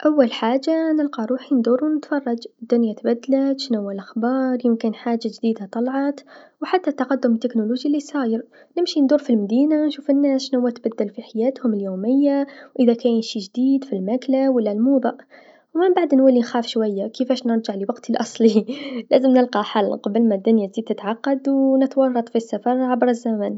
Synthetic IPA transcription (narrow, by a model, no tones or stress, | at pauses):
ʔawːalħaːʒːanɪlqɑɾˤuːħind̪uːɾuwnɪt̪fɑrˤːɑd͡ʒd̪ːʊnjat̪bæd̪ːlat̪ʃnawːalʔaxbɑːɾˤjɪmkɪnħaːʒːaʒd̪iːd̪at̪ˤɑlʕɑt̪wħat̪ːat̪ːɑqɑd̪ːʊmt̪ːɪknʊluʒilːisˤɑːjəɾ | nɪmʃind̪uːɾfilmæd̪iːnanʃuːfɪnːæːsʃnawːat̪bæd̪ːalfiħajæːt̪hʊmɪljoːmɪjːawʔɪðækæːjʃiʒd̪iːd̪filmæklawəlːælmuːd̪ˤɑʔ | wmɪmbaʕd̪nwalːinxæːfʃwajːakəfæːʃnəɾʒaʕliwɑqt̪ʰilʔɑsˤlilæːzəmnəlqɑħalːqɑbəlmæd̪ːʊnjazid̪̚t̪ɪt̪ʕaqːɑd̪wnɪt̪wɑrˤːɑt̪ˤfisːafɑɾˤʕabɾˤəzːamæn